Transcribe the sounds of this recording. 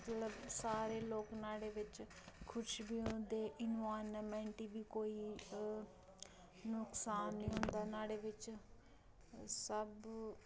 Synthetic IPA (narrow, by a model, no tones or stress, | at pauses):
ət̪ləbsaːɾeːloːknaːɽeːʋɪt͡ʃ | kʰʊt͡ʃʰbiːɦd̪eːʔɪnʋaːnːmɛ̃ːɳʈiːbiːkoːiː | nʊksaːnːĩːɦʊ̃nd̪aːnaːɽeːʋɪt͡ʃ | səb